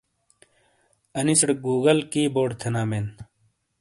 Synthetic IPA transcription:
ɐnisɽɡuːɡɐlkiːboːɖt̪ʰenaːmeːn

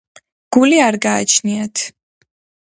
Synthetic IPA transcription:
ɡ̥uliaɾɡaːt͡ʃʰniat̪ʰ

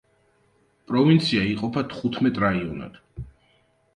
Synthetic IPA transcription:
pʼɾɔvint̪sʰiaiqʼɔpʰat̪ʰχut̪ʰmɛt̪ʼɾaiɔna̰d̪̥

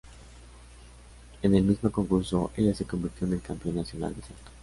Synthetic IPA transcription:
ene̞lmizmo̞ko̞ŋkuɾso̞ʔe̞ʝase̞ko̞mbiɾt̪jo̞ene̞lkampjo̞nːasjo̞na̰ld̪esat̪o̥

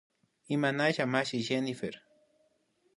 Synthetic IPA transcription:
imanaʒamaʃiʒenifeɾ

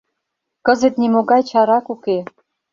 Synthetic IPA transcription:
kə̆zə̆t̪nimoɡɑjt͡ɕɑɾɑkuke

